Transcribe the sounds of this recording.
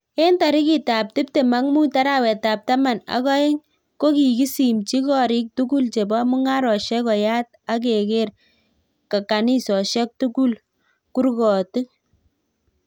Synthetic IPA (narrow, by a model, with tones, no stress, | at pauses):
e˦nta˨ɾi˦ki˨ta˨p̚tɪ˦p̚te˨ma˨˦ŋmu˦ta˦ɾa˦wɛ˨ta˨p̚ta˦ma˨na̰˦kɔ˦e˦ŋ | ko˦ki˨ki˦si˨mt͡ʃi˦kɔ˦˨ɾi˦k̚tu˦ku˦lt͡ʃe˨bɔ˦mu˦ŋa˦ɾɔ˨ʃɛ˦kɔ˨ja˦t̚ | a˦k̬e˨ke˦r | ka˨ka˨ni˦sɔ˨ʃɛ˦k̚tu˦ku˦l | ku˦ɾkɔ˨tɨ˦